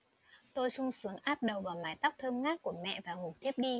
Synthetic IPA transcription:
t̪o˧jsʊ˧ŋ͡msɨ˨˦əŋʔaː˦˥p̚ɗə˨˩wvaː˨˩wmaː˨˦jt̪a˦˥wk͡p̚t̪ʰəː˧mŋaː˦˥t̚ku˧˩əmɛ̰˧˨vaː˨˩ŋʊ˨˩k͡p̚t̪ʰi˦˥əp̚ɗi˧

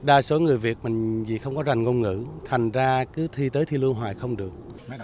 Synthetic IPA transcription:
ɗaː˧so˨˦ŋɨ˨˩əjvi˨˩ət̚mï˨˩ŋ̟vḭ˨˩xə˧wŋ͡mkɔ˨˦za˨˩ŋ̟ŋo˧nŋɨ̰˧˥t̪ʰa˨˩jŋ̟zaː˧kɨ˨˦t̪ʰi˧t̪əː˨˦jt̪ʰi˧lɨ˧ənɦwa̰ː˨˩jxə˧wŋ͡mɗɨ˨˩ək̚

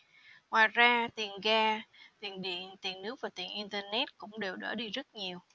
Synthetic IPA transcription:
ŋwaː˨˩jzaː˧t̪i˨˩ənɣaː˧t̪i˨˩ənɗḭ˧˨ənt̪i˨˩ənːɨ˦˥ək̚vaː˨˩t̪ḭ˨˩nʔi˧nt̪əː˧nɛ˦˥t̚kʊ̰˧˥ŋ͡mɗe˨˩wɗə̰ː˧˩ɗi˧zə˦˥t̚ɲi˨˩əw

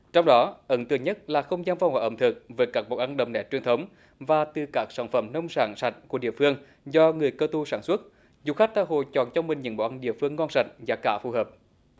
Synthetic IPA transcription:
t͡ɕɔ˧wŋ͡mɗɔ˨˦ʔə˨˦nt̪ɨ˨əŋɲə˦˥t̚laː˨˩xə˧wŋ͡mzaː˧nfa˧˩wŋ͡mha̰ː˧˨˩ʔə˧˩mt̪ʰɨ˨˩k̚vəː˨˦jkaː˦˥k̚ɓo˨˩ʔa˧nɗə˨˩mnɛ˨˩t͡ɕwi˨˩ənt̪ʰə˨˦wŋ͡m | vaː˨˩t̪ɨ˨˩kaː˦˥k̚saː˧˩nfə˧˩mnə˧wŋ͡msaː˧˩nsa̰˧˩t̟̚ku˧˩əɗḭ˧˨əfɨ˧əŋ | zɔ˧ŋɨ˨˩əjkəː˧t̪u˧saː˧˩nswə˦˥t̚ | zu˨˩xa˦˥k̚t̪aː˧˩ɦo̰˧˨jt͡ɕɔ̰˧˨nt͡ɕɔ˧wŋ͡mmï˨˩ŋ̟ɲə̰˨˧˥nɓo̰˧˨ʔa˧nɗḭ˧˨əfɨ˧əŋːɔ˧nsa˧˩jk̚zaː˨˩kaː˧˩fu˧˩ɦəː˨˩p̚

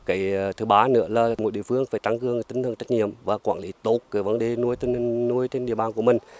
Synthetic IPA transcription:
kaː˨˩jt̪ʰɨ˨˦ɓaː˨˦nɨ̰˧˥əlaː˨˩mo˨˩t̚ɗḭ˧˨əfɨ˧əŋfaː˧˩jt̪a˧˩ŋkɨ˨˩əŋt̪ï˨˦ŋ̟t̪ʰə˨˩ŋt͡ɕə˦˥t̚ɲḭ˧˨əmvaː˨˩kwaː˧˩nli˨˦t̪o˦˥t̚kːaː˨˦və˨˦nɗe˨˩nu˧əjt̪i˧nt̪i˨˩ŋnu˧əjt͡ɕ̪e˧nɗḭ˧˨ɓaː˨˩nku˧˩əmï˨˩ŋ̟

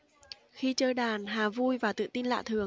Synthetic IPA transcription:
xi˧t͡ɕəː˧jɗaː˨˩nɦaː˨˩vu˧jvaː˨˩t̪ɨ̰˧˨t̪i˧nla̰ː˧˨t̪ʰɨ˨˩əŋ

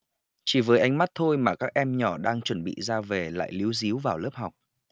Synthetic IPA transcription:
t͡ɕi˧˩vəː˨˦jʔa˧jŋ̟ma˦˥t̚t̪ʰo˧jmaː˨˩kaː˦˥k̚ʔɛ˧mɲɔ˧˩ɗaː˧ŋt͡ɕwə˧˩nɓḭ˧˨zaː˧ve˨˩la̰ː˧˨jli˨˦wzi˨˦wvaː˨˩wləː˦˥p̚ɦa˨˩wk͡p̚

